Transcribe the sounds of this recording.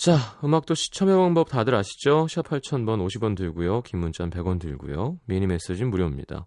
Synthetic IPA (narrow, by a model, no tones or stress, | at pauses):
t͡ɕaɯmak̚t͈oɕʰi̥t͡ɕʰʌmjʌwaŋbʌp̚tadɯɾaɕʰi̥t͡ɕoɕʰipʰaɭt͡ɕʰʌnbʌnoɕʰibʌntɯɭɡujokimːunt͡ɕʰanpe̞ɡwʌntɯɭɡṵjomiɲime̞s͈ed͡ʑinmuɾjʌmɲḭd̥a̰